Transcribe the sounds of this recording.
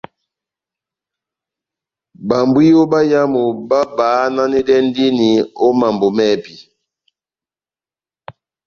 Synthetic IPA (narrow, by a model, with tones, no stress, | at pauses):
ba˨mbwi˦o˦ba˦ja˦mo˨ba˦baː˨˦na˦ni˦dɛ˦n˦di˦ni˨o˦ma˨mbo˨mɛ˦˨pi˨